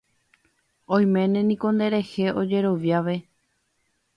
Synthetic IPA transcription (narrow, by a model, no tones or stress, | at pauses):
õj̃mẽ̞nẽnĩko̞nd̪e̞ɾe̞he̞ʔo̞d͡ʒe̞ɾo̞ʋjaʋe̞